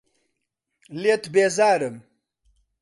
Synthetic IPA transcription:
let̪beːzaːɾəm

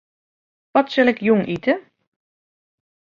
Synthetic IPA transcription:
ʋɔtsɛlɪkjʊŋʔitʰə

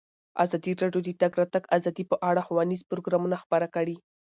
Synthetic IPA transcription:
a̰zɑd̪iɾɑɖjod̪ət̪aɡɾat̪aɡazɑd̪ipəʔaɽaxawɑnizpɾoɡɾɑmunaxpaɾakəɽi

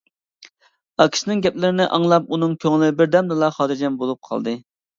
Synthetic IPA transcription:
ɑkʲʰi̥ʃnɪŋɡʲɛplɪɾɪnɪʔɑŋlˠɑp̚unɨŋkʲʰøŋlɪbɪɾd̪ɛmd̪ɨlˠɑχɑːd̪ɨɾd͡ʒɛnbolˠup̚qʰɑ̰lˠd̪ɨ

